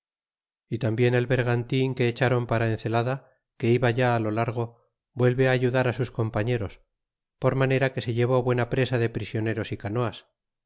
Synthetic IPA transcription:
it̪ambje̞ne̞lβe̞ɾɣant̪iŋke̞ːt͡ʃaɾo̞mpaɾaen̟θe̞laða | ke̞iβaʝaːlo̞laɾɣ̞o̞ | bwe̞lβe̞aːʝuðaɾasusko̞mpaɲe̞ɾo̞s | po̞ɾmane̞ɾake̞se̞ʎe̞β̞o̞βwe̞napɾe̞saðe̞pɾisjo̞ne̞ɾo̞sikano̞as

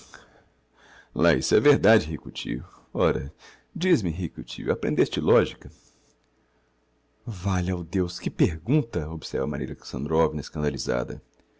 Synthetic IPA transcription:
laḭsɛveɾd̪ad͡ʒɪɦikʊt͡ʃḭjʊ | ɔɾɐ | d͡ʒizmɪɦikʊt͡ʃḭjʊapɾḛ̃nd̪est͡ʃɪlɔʒikɐ | valawd̪ewskɪpeɾɡũnt̪ɐobsɛ̰ɾvɐma̰ɾḭlɐksɐ̃nd̪ɾovinɐeskɐ̃nd̪aliza̰d̪ɐ̰

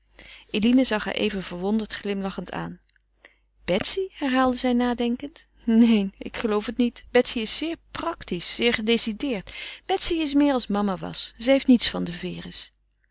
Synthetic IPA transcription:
ʔelinəzɑχɦa̰ːɹʔḛjvənv̥əɹʋɔndəɹtχlɪmlɑχəntʰa̰ːn | b̥ɛtsiɦɛɹɦaːlˠdəzɛjnaːdɛŋkənt | nejnɪ̰kχəlowfətnitb̥ɛtsiɪsːɪːɹprɑktisːɪːɹχədesidɪːɹtb̥ɛtsiɪs̬mɪːɹɑlˠsmɑmaʋɑ̰sz̥ɛɦejftnitsfɑndəvɪːrəs

